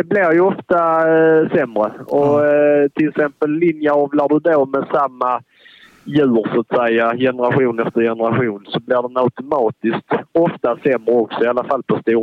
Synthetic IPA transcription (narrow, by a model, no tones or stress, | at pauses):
d̪ɛblɪɾjɵɔft̪asɛmːɾəɔt̪ʰɪlɛksɛmpəlːɪnjaɔvlaɖɵd̪omɛsamːa | jʉ̟ːɾsat̪sɛjːajɛnəɾaɧuːnɛft̪əɾjɛnəɾaɧuːnsɔblɪɖɛnaʊt̪ʊmɑːt̪ɪst̪ɔft̪asɛmːɾəɔksɔɪalːafalːpʰɔst̪uːɾ